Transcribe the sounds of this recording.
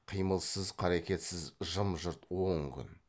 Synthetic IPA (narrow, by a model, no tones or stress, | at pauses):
qʰijməlˠsəzqʰɑɾekʲe̞t̪sɪzʒəmʒʊɾt̪woŋkʲʰʏ̰n